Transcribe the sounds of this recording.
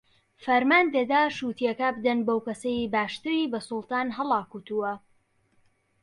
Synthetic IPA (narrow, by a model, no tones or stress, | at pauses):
fɐɾmaːnd̪ɐd̪aːʃuːt̪ijɐkɐbɨd̪ɐnbowkɐsɐjbaːʃt̪ɨɾibɐsʊlˠt̪ɑːnɦɐlˠɑːkut̪uwɐ